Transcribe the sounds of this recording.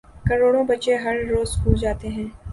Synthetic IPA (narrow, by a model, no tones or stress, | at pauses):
kɐɾoːɽõbɐt͡ʃeɦɐɾːoːzskuːd͡ʒaːt̪eɦɛ̃ː